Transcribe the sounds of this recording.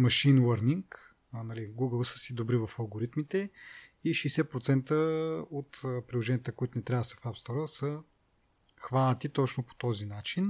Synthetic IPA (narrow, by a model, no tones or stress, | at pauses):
mɐʃinwəɾniŋkː | nɐliɡuɡəlˠsə̥sid̪obɾivɐfɐlˠɡoɾit̪mit̪ɛiʃɛjsɛpɾot̪sɛnt̪əot̪ːpɾilˠoʒɛnijət̪əkoit̪ʊnɛt̪ɾʲavəd̪sə̥fapst̪ɔɾəsə | xvanət̪it̪ɔt͡ʃnopo̥t̪ɔzinat͡ʃin